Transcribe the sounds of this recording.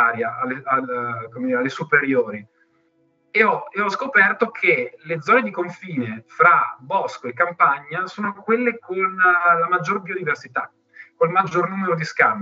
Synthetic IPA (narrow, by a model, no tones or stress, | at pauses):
aːɾjaʔaleakomed̪iːɾealːesupeɾjoːɾi | eɔeɔskopɛrt̪okʰeled̪zɔːned̪ikoɱfiːnefɾabɔskoekːampaɲːasoːnokwelːekonlamad͡ʒːorbiod̪iversit̪a | kːolmad͡ʒːornuːmeɾod̪iskam